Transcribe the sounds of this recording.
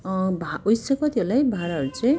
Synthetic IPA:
bʱaojsʌkʌt̪iʌlajbʱaɾaʌɾut͡sʌ̃j̃

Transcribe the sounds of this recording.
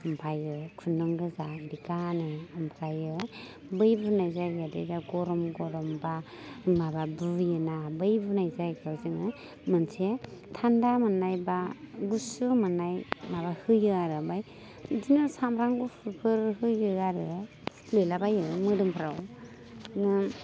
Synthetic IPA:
ɯmpʰajɯkʰunɔŋɡɯzadikanɯɯmpʰajɯ | bɯjbunajzajɡadḭdaɡɔɾɔmɡɔɾɔmba | mababujɯnabɯjbunajzajɡawzɯŋɯ | mɯnsʰetʰandamanajbaɡusɯmanajmaβahɯjɯaɾɯbaj | dinɯsamɾaŋɡupʰɯpʰɯɾhɯjɯaɾɯ | lɯjlabajɯmɯdɯmpʰɾaw | nɯ

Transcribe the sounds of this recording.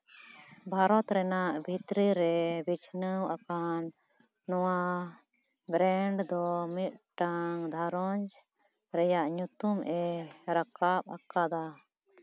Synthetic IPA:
bʱaɾɔt̪ɾɛnaʔbʱit̪ɾiɾɛbit͡ʃʰnəwʔakanː | ɔwa | bɾɛɳɖd̪ɔmit̪̚ʈaŋd̪ʱaɾɔɲd͡ʒ | ɾɛjaʔɲut̪umʔɛɾakap̚akad̪a

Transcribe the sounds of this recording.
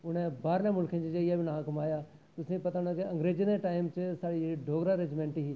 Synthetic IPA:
ʊn̤ẽbaːɾlẽmʊlkʰə̃nd͡ʒid͡ʒeɪabʱinaɦãkɐmaːjaː | t̪ʊsĩpɐt̪ããkiɐ̃ŋɡɾeːd͡ʒəneʈaːɪmt͡ʃɪsaːɽiɖʱoːɡɾaɾed͡ʒmẽɳʈiɦiː

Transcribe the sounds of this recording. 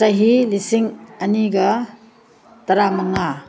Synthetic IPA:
sɐɦilisiŋɐniɡɐ | tɐɾamɐŋa

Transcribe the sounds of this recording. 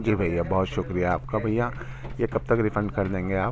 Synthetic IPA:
d͡ʒiːbʱɐjːabɔɦʊt̪ʃʊkɾijaːp̚kabʱɐjã | jekɐb̚t̪ɐkɾɪfə̃ɳɖkɐɾd̪ẽːŋɡeaːp

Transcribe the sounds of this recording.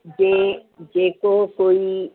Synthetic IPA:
d͡ʒed͡ʒekokoi

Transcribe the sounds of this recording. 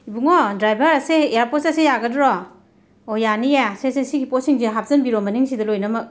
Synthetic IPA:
ibuŋɔdɾajbʱɐɾɐseejaɾposɐsejaɡɐdɾɔ | ɔjanijasesesiɡipɔsiŋziɦap̚zɐnbiɾɔmɐniŋsidɐlojnɐmɐk̚

